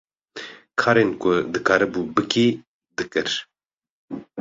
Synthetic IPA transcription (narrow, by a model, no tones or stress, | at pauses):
kʰɑːɾeːnkʰʊd̪ɨkʰaːɾɨbuːbɨkiː | d̪ɨkɨɾ